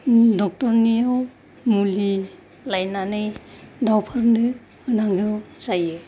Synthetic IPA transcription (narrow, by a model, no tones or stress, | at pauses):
dɔk̚tɔɾnijaw | muli | lajnanɯjdawpʰaɾndɯ | ɯnaŋɡɯwzajɯ